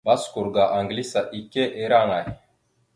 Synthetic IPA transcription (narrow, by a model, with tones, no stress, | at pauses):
ba˦sku˨ɾɡa˨ʔa˨ŋɡli˦sa˨ʔi˨ke˦ʔe˨˦ɾa˦ŋa˨j